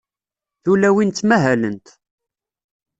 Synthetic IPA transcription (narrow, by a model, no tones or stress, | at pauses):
θulæwint̪ːmæɦælənt̪